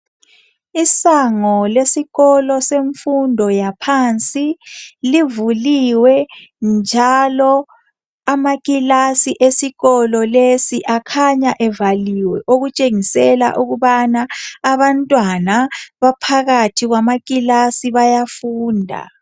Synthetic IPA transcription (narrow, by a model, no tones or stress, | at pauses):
isaŋɔlesiɣɔlɔseɱfundʱɔjapʰant͡sʼilivuliwɛnd͡ʒʱalɔ | amakʼilasiʔesiɣɔlɔlesiʔakʰaɲaʔɛvaliwɛ̰ʔoɣut͡ʃʼeŋisɛla̰ʔuɣuβanaːβantʼwanaβapʰaɣatʰiɣwamak̬ʼilasiβajafuːndʱa̰